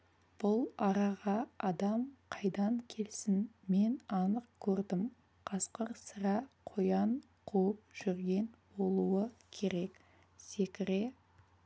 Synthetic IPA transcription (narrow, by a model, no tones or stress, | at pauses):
b̥ʊlˠɑɾɑʁɑɑd̪ɑmqʰɑjd̪ɑŋkʲʰe̞lsɪnme̞nɑnəq̚kʲʰɵɾd̪ɪm | qʰɑsqəɾsəɾɑqʰo̞jɑɴ | qʰuwəp̚ʒ̥ʏɾɡʲe̞nbo̞lˠuəkʲʰe̞ɾe̞k | se̞kʲɪɾe̞